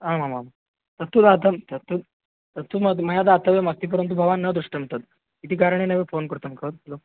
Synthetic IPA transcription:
amamama | t̪ət̪ːuːd̪at̪əmt̪ət̪ːu | t̪ət̪ʰːuməməɦjad̪at̪ːəʋemaɡ̚t̪iːp̬əɾənt̪ubʱəʋanːəd̪ɾuʂʈəm̤əɳt̪at̪̚ | it̪ʰiːkaɾəɳ̃eneʋefonkəɾt̪əmkʰət̪lo

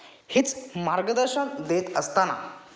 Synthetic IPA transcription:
hit͡smaɾɡəd̪əɾɕənd̪et̪əst̪ana̰

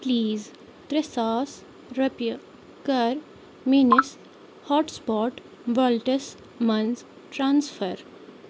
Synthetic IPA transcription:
pliːz | t̪ɾesaːs | ɾɐpjə | kɐɾ | minis | hɔːʈspɔːʈ | ʋəlʈes | mɐnz | ʈɾãːnsfʰəɾ

